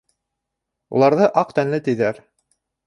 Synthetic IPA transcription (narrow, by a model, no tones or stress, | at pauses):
ṵlˠɑɾðɤʔɑqt̪ænlɘt̪ɘ̆jðæɾ